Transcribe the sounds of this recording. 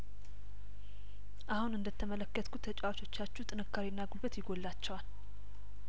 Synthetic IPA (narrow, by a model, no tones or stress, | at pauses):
ʔahunɨnd̪ət̪ʰːəmələkːət̪kʰut̪ʰːət͡ʃʼawat͡ʃo̞t͡ʃːat͡ʃːut̪ʼɨnɨkʰːaɾinːaɡulbət̪jɪɡolːat͡ʃːɛwal